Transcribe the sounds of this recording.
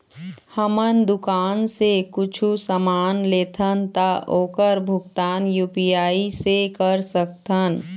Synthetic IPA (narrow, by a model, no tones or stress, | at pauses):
həmənd̪ʊkaːnsekʊt͡ʃʰusəmaːnleːt̪ʰənt̪aoːkəɾbʱʊɡt̪aːnjuːpijaːisekəɾsək̚t̪ʰən